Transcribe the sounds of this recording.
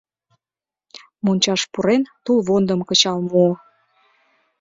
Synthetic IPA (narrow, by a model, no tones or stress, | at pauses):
munʲt͡ɕɑʃpuɾent̪ulβond̪əmkət͡ɕɑlmo